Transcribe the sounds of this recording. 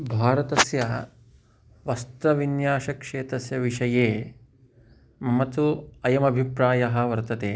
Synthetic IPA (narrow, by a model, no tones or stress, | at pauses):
bʱaːɾɐt̪ɐsjɐ | ʋɐst̪ɐʋinjaːʃɐkʂeːt̪ɐsjɐʋiʂɐjeː | mɐt̪uɐjɐmɐbʱipɾaːjɐɦɐ̆ʋɐɾt̪ɐt̪eː